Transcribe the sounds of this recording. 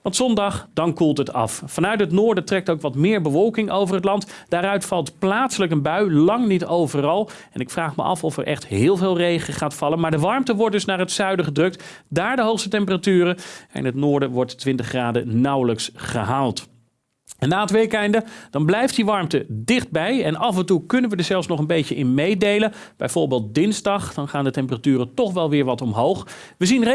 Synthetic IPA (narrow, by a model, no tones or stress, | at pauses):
ʋɑntsɔndɑχd̥ɑnkulˠtɦətɑ̰fːɑnœɥtɦətnʊːɹdətrɛk̚towkʋɑtmɪːɹbəʋɔlˠkɪŋʔowvərɦətlɑntd̥aːɾœɥtfɑlˠtplaːtsələkənbœɥlɑŋnitowvərɑlˠ | ɛnɪkfraːχmə̰ʔɑ̰fɔfɛ̰ɹʔɛ̰χtɦɪːlˠvɪːlˠrejχəχaːtfɑlənmaːɹdəʋɑɹmtəʋɔɹt̚dɵsnaːɹɦətsœɥdəχədrɵk̚tdaːɹdəɦowχstətɛmpəratyːrəɛ̰ɪ̰nɦətnoːɹdəʋɔɹttʋɪntəχraːdənɑwləksχə̰ɦaːlˠt | ɛnːaːətʋejkɛjndəd̥ɑnblɛjft̚diʋɑɹmtədɪχd̚bɛjɛnɑvɛntukɵnənʋədəɹzɛlˠfsnɔχənbejcəʔɪnmejdejlənb̥ɛ̰jv̥oːɹbeɪːlˠt̚dɪnzdɑχd̥ɑnχaːndətɛmpəratyːrətɔχʋɛlˠʋɪːɹʋɑtɔmɦowχ | ʋəzinre